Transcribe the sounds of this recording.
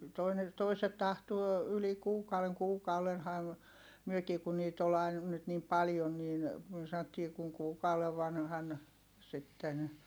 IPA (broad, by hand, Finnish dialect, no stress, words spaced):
toine toiset tɑhtuo yli kuːkɑuw̆eŋ kuːkɑulenhɑm myøkiː kun niːt ol ɑin nyt niːm pɑljon niːn myø sɑn̆otːiː kuŋ kuːkɑuw̆eʋ ʋɑnhɑn sitːen